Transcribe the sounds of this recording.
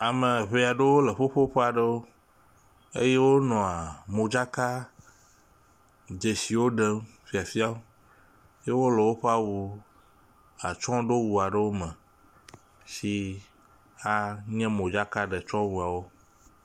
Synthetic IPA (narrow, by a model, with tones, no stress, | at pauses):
a˨mẽ˨βe˨˦a˨ɖe˦wo˦lə˨ɸo˦ɸo˦ɸe˦a˨ɖə˦wo˦ | ḛ˦je˦wo˦nɔ̃˨a˨mõ˨d͡ʒa˦ka˦ | d͡ʒe˨si˨wo˦ɖe˦m | fi˦a˨fi˦a˦wo˦ | je˦wo˦le˨wo˦ɸe˦a˨wu˨ | a˨t͡ʃɔ̃˦ɖo˦wu˨a˨ɖə˦wo˦mɛ̃˨ | si˦ | a˦ɲɛ̃˦mõ˨d͡ʒa˦ka˦ɖe˨t͡ʃɔ̃˦wu˨a˨wo˦